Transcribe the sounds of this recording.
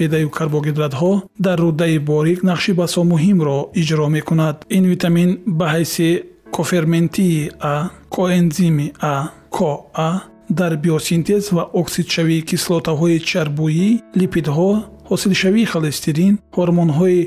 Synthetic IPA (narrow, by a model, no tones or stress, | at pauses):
ped̪ajukʰaɾbɔɡid̪ɾat̪ɦɔd̪arːud̪ːaibɔɾiɡnaqʃibasɔmuɦimɾɔid͡ʒɾɔme̞kunad̪invit̪ʰaminbaɦajsikʰɔfe̞ɾment̪ʰiːakʰɔenzimia | kʰɔa | d̪aɾbiɔsint̪ʰezvaʔɔksid̪̥ʃaviːkʰislɔt̪ʰaɦɔit͡ʃʰaɾbuilipʰid̪ɦɔhɔsilʃaviːχalest̪ʰiɾinhɔɾmɔnɦɔi